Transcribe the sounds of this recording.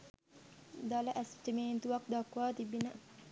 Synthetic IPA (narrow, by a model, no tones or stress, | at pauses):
d̪aləʔæsʈimeːnt̪uʋɐk̚d̪ɐkʋaːt̪ibinə